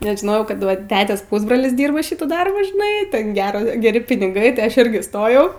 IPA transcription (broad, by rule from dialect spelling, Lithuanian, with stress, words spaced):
nʲɛs ʒʲɪˈnoːjɛʊ ˈkɐt ˈʋɐ ˈtʲæːtʲeːs ˈpʊzbroːlʲɪs ˈdʲiːrbɐ ˈʃʲɪtuː ˈdɐrbuː ʒʲɪˈnɐɪ ˈtʲɛn ˈɡʲæːroː ɡʲɛˈrʲɪ pʲɪnʲɪˈɡɐɪ tʲɪ ˈɐʃ ˈɪrʲɡʲɪ ˈstoːjɛʊ